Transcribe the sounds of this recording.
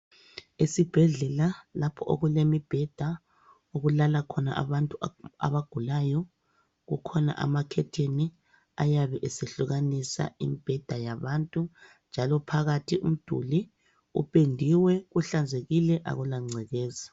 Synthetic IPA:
esib̥ʱɛɮɛlalapʰɔʔo̰ɣulemib̥ʱɛd̥ʱa | oɣulalakʰɔna̰ʔa̰βantʼua̰βaɡ̥ʱulaːjɔ | ɣukʰɔna̰ʔa̰makʰɛtʰeni | a̰jaβɛʔeseɬuɣanisa̰ḭmib̥ʱɛd̥ʱajaβantʼu | nd͡ʒʱalɔpʰaɣatʰiṵm̩d̥ʱṵli | ṵpʼendʱiwɛɣuɬand͡zʱeɣilɛʔa̰ɣulaŋ͡ǀʱɛɣɛːza

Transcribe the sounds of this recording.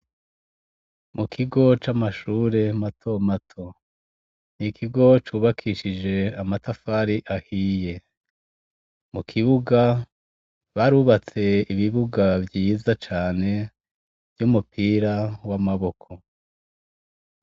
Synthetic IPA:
mukʰiɡo̞t͡ʃamaʃuːɾe̞matʰo̞matʰo̞ | nikʰiɡo̞t͡ʃuːβakʰiʃid͡ʒe̞amatafaɾiʔahiːje̞ | mukʰiβuɡa | βaɾuβat͡se̞iβiβuɡavjiːzat͡ʃaːne̞ | vjumupʰiːɾawamaβo̞kʰo̞

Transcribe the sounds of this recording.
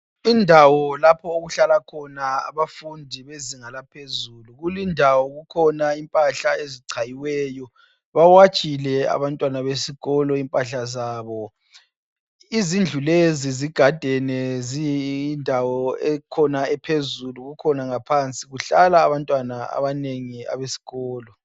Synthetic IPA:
indʱawɔlapʰɔoɣuɬalakʰɔnaa̰βafundʱiβeziŋalapʰezuluɣulindʱawɔɣukʰɔnaimpʼaɬaeziǀʰajiwɛːjɔ | βawat͡ʃʼilɛa̰βantʼwanaβesiɣɔlɔimpʼaɬazaːβɔ | izind͡ɮʱuleziziɡ̥ʱad̥ʱɛnɛzindʱawɔɛkʰɔnaɛpʰezuluɣukʰɔnaŋapʰant͡sʼiɣuɬalaːβantʼwanaa̰βaneŋia̰βesi̥ɣɔːlɔ

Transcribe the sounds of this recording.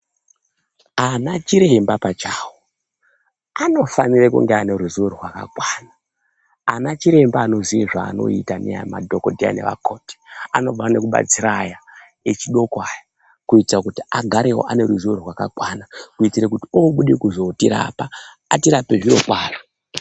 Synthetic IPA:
anat͡ʃiɾembapat͡ʃaːwo | ano̞fanirekṵŋɡeane̞ɾuzuorurwaka̰kwaːna | anat͡ʃiɾe̞mbaːno̞zieʐa̰ːno̞̰itanea̰ma̰dʱoko̞dʱia̰ne̞̰ʋa̰koːti̥ano̞b͡vaane̞kuɓa̰t͡siɾaja | et͡ʃiɗo̞koaja | kuitirakutiaɡʱaɾewo̞̰ʔaneɾuzuorirwaka̰kwanakuitiɾekutiooɓuɗekuzo̞tiɾa̰ːpa | atiɾape̞ʐiɾo̞̰kwaːra

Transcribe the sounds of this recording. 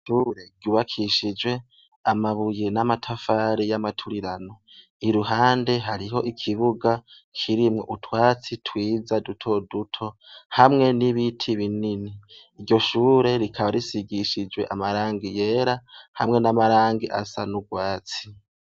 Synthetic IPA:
ʃuɾe̞ɟuβakʰiʃid͡ʒwe̞ | amaβujenamatʰafaːɾijamatʰuɾiɾano̞ | iɾuɦaːnde̞ɦaɾiɦo̞ʔikʰiβuɡa | kʰiɾimŋo̞̰ʔutwaːt͡sitʰwiːzadutʰo̞dutʰo̞hamŋe̞niβitʰiβinini | iɾɟo̞ʃuːɾe̞ɾikʰaβaɾisiɡiʃid͡ʒwe̞̰ʔamaɾaːŋɡije̞ːɾahamŋe̞namaɾaːŋɡiʔasa̰nuɡwaːt͡si̥

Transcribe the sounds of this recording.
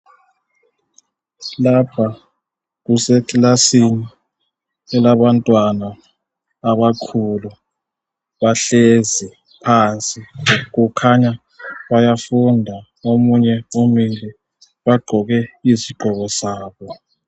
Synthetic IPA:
lapʰa | k̬usɛkʼlasini | ɛlaβantʼwanaː | βakʰulu | βaɬezi | pʰant͡sʼikukʰaɲa | βajafundʱa | omuɲɛomind͡ɮɛ | ɓaɡ͡ǃʱɔɣɛisiɡ͡ǃʱɔɣɔsaːɓɔ

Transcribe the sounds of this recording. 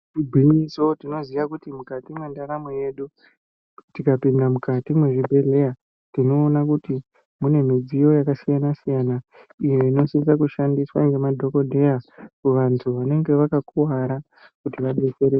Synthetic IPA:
ibʱinisotino̞ziʋakutimukatimwendaɾameje̞ɗu | tikapindamukatimwe̞ʐibʱe̞ɮe̞ja | tino̞ːnakuti | mune̞mid͡zijo̞jakasijanasijanaije̞ino̞sint͡sakuʃandiswa̰ŋɡemadʱo̞ko̞dʱe̞jakuʋantʰuʋane̞ŋɡe̞ʋakakuwaɾa | kutiʋaɗet͡seɾe

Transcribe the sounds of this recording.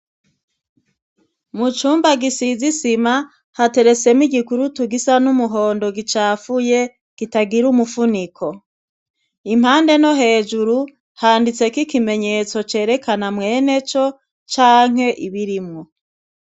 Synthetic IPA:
mut͡ʃuːmbaɡisizisima | hate̞ɾe̞t͡se̞miɡikuɾutuɡisanumuɦo̞ːndo̞ɡit͡ʃaːfuje̞ | ɡ̥itaɡiɾumufunikʰo̞ | imhaːnde̞no̞ɦe̞ːd͡ʒuɾu | haːndit͡se̞kikime̞ɲe̞t͡so̞t͡ʃe̞ːɾe̞kanamwe̞ːne̞t͡ʃo̞ | t͡ʃaːŋ̥he̞ʔiβiɾimŋo

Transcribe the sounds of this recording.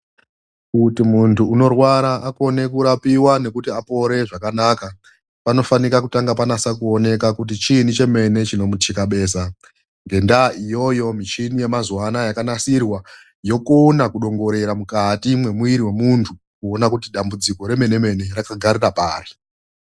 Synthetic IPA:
kutimuntʰuːno̞rwaɾaʔako̞ne̞kuɾapiwane̞kutiapo̞ɾe̞ʐakanaka | pano̞fanikakutaŋɡapanasakuo̞ne̞kakut̬it͡ʃinit͡ʃe̞me̞ne̞t͡ʃino̞mutikaɓe̞ːsa | ŋɡe̞ndaʔijo̞jo̞mit͡ʃinije̞mazwanajakanasirwa | jo̞konakuɗo̞ŋɡo̞ɾe̞ɾamukatimwe̞muiɾiwe̞muntʰu | kuo̞nakutiɗambud͡ziko̞ɾe̞me̞ne̞me̞ne̞rakaɡʱarirapaːɾi

